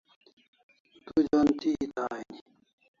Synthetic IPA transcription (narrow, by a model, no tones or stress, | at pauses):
t̪ud͡ʑont̪ʰiit̪aːini